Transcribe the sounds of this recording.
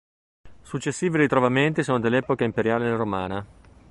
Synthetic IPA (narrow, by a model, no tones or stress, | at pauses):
sut͡ʃːesːiːviɾit̪ɾovament̪isoːnod̪elːɛːpokaimpeɾjaːlelɾomaːna